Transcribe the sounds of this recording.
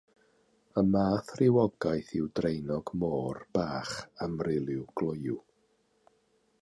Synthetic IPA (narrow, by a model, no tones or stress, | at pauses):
əmaːθrɪwɔɡajθɪwdrejnɔɡmoːrb̥aːχamrɪlˠɪwɡ̥lˠʊju